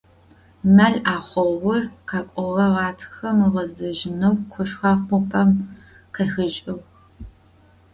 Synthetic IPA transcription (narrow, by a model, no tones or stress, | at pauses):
mɐɮaːχʷɔwʊrqɑːkʷʼɔʁɐʁɑːtʰxɐmɨʁɐzɐʒɪnɐwqʷʰʊʃxɑχʷʊpʰɐm | qɐxɨʒʼɪw